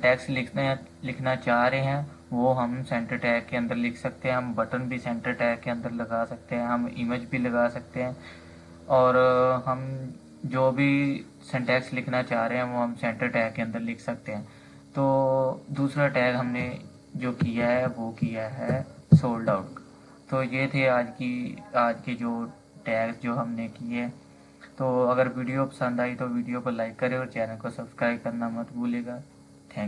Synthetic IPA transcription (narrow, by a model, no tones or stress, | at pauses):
ʈɛːkslɪkʰnlɪkʰnat͡ʃaːɾeɦɛ̃ | ʋoːɦɐmsɛ̃ːɳʈəɾʈɛːkːeɐ̃nd̪əɾlɪkʰsɐk̚t̪eɦɛ̃ɦɐmbəʈənbʱisɛ̃ɳʈəɾʈɛːkːeɐ̃nd̪əɾlɐɡaːsɐk̚t̪eɦɛ̃ɦɐmɪməd͡ʒbʱilɐɡaːsɐk̚t̪eɦɛ̃ː | ɔːɾɦɐm | d͡ʒoːbʱi | sɛ̃ɳʈɛːkslɪkʰnat͡ʃaːɦɾeɦɛ̃ʋoɦɐmsɛ̃ːɳʈəɾʈɛːkːeɐ̃nd̪əɾlɪkʰsɐk̚t̪eɦɛ̃ː | t̪oːd̪uːsɾaʈɛːkɦɐmne | d͡ʒoːkijaɦɛʋokijaɦɛsoːlɖaːʊʈkḁ | t̪oːjeːt̪ʰeaːd͡ʒkiaːd͡ʒked͡ʒoː | ʈɛːksd͡ʒoːɦɐmnekiɦɛ̃ː | t̪oːɐɡəɾʋiːɖijopə̥sə̃nd̪aːit̪oʋiːɖijokolaːɪkːɐɾẽɔːɾt͡ʃɛːnəlkosɐbskɾaːɪb̚kɐɾnamɐt̪bʱuːleːɡaː | t̪ʰɛ̃ː